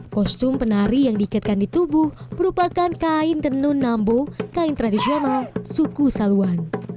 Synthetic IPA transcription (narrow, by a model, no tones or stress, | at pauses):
kɔst̪ʊmpənaɾijaŋdiːkat̪̚kandit̪ubʊhməɾupakankaɪnt̪ənʊnːambokaɪnt̪ɾadisionalsukusaluan